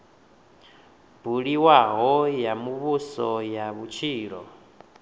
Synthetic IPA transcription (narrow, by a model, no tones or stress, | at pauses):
buɺiwaɦɔjamuβusɔjaβut͡ʃʰiːɺɔ